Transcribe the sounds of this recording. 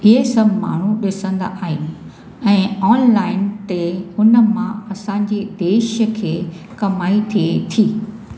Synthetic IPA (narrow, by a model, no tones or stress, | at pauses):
ɪɦesɐbʱma̰ːɳ̤uɗɪsə̃nd̪a̰ʔaːɦɪnɪ̆ | ɛ̃ːɔːnlaːɪnt̪eʊnə̆mãɐsãɲd͡ʑed̪eːʃəkʰeː | kɐmaːit̪ʰiet̪ʰiː